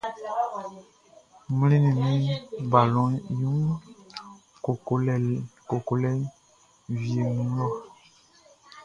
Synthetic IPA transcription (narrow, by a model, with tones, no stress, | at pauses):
mi˦lĩ˦nĩ˨mĩ˦ba˨lɔ̃˨˦jũ˦ŋ | ko˨ko˨lɛ˨ko˨ko˨lɛ˦ | vi˨e˨mũ˦lɔ˦˨